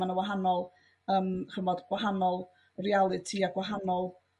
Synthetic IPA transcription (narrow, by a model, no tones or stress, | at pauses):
anəwaɦanɔlˠ | əːmχəmɔdɡ̥waɦanɔlˠ | rialˠɨtʰiaɡwaɦanɔlˠ